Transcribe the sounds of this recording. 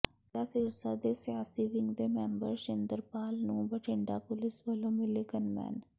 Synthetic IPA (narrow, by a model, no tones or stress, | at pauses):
jasɪɾsad̪esɪjaːsiʋɪ̃ŋɡd̪eːmɛ̃ːmbə̰ɾʃɪnd̪əɾpaːlnũːbəʈʰɪɳɖapʊlɪsʋəlõːmɪlɪkənmɛ̰ːn